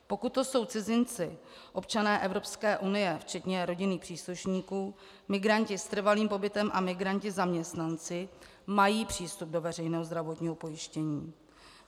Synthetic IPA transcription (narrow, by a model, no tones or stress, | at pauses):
po̞kut̪̚ːo̞so̞wt͡sɪzɪnt͡sɪ | ʔo̞pt͡ʃanɛːʔɛvɾo̞pskɛːʔunɪjɛft͡ʃɛt̪ɲɛɾo̞ɟɪniːxpr̥iːsluʃɲiːkuː | mɪɡɾaɲcɪst̪r̩valiːmpo̞bɪt̪ɛmʔamɪɡɾaɲcɪzamɲɛst̪nant͡sɪ | majiːpr̥iːst̪ub̚do̞vɛrɛjnɛːɦozd̪ɾavot̪ɲiːɦo̞po̞jɪʃcɛɲiː